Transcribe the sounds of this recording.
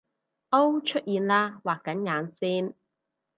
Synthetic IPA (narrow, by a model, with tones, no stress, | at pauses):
ʔo˥wt͡ʃʰɵ˥t̚jiː˨˧nlaː˥waː˨kːɐ˨˥nŋaː˨˧˥nsiː˥n